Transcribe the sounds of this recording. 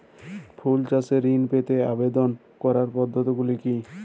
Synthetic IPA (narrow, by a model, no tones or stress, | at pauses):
pʰult͡ɕaseɾːinpet̪eabed̪on | kɔɾaɾpɔd̪ʱːot̪iɡuliki